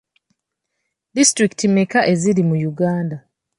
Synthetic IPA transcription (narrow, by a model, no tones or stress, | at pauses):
distɾikitimekaʔe̞ziɾimujuɡaːnda